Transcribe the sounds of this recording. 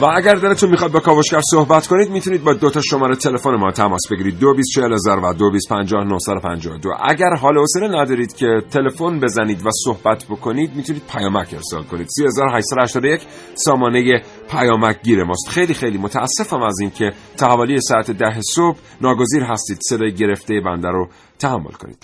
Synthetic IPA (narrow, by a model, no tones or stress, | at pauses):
vææɟæɾd̪eɾet̪ʰunmiχɒid̪bekʰɒːvoʃkæɾsohbæt̪kʰo̞nid̪mit̪ʰuniːd̪̚bɒːd̪ot̪ʰɒʃo̞mɒːɾet̪ʰe̞lefonemɒːt̪ʰæmɒːsbe̞ɡiɾiːd̪ːobist̪̚t͡ʃʰehelezɒːɾvæd̪obiːst̪pʰænd͡ʒɒːhnohsæd̪o̞pʰæ̰nd͡ʒɒ̰ːod̪o̰ʔæ̰ɟæɾɦɒːleoseɾenæd̪ɒːɾiːd̪̥cʰe̞t̪ʰe̞le̞fo̞nbe̞zæniːd̪væso̞hbæt̪ʰbo̞kʰo̞niːd̪mit̪ʰuniːd̪̥̚pʰæjɒːmæcʰe̞ɾsɒ̰ːlkʰo̞niːd̪siːezɒːɾoɦæʃt̪sæd̪ohæʃt̪ɒːd̪ojecʰ | sɒːmɒːneje | pʰæjɒːmæc̚ɟiːɾemɒːst̪xe̞jliːxejliːmo̞t̪ʰææsːe̞fæmæziːncʰe̞ | t̪ʰæhvoːlijesɒæt̪ʰed̪æɦesob | nɒːɡoziːɾɦæst̪iːd̪̥se̞d̪ɒːjeɟe̞ɾe̞ft̪ejebænd̪æɾo | t̪ʰæhæmːolkʰo̞̰nḭːd̪̥